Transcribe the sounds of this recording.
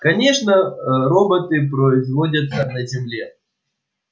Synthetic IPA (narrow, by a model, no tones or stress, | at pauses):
kɐnʲeʂnəɾobət̪ɨpɾəɪzvodʲət̪sənɐzʲɪmlʲe